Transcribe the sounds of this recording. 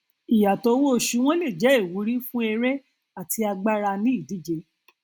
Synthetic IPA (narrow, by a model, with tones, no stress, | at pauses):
i˨ja˨to˨˧˦wo˦˨ʃu˨˧˦w̃ɔ̃˦le˦˨d͡ʒɛ˨˦e˦˨wu˨˦ɾi˦fũ˦ɛ˧ɾɛ˦ | a˦˨tʰi˧a˧ɡ͡ba˦ɾa˧nĩ˦i˦˨di˨˦d͡ʒe˧˦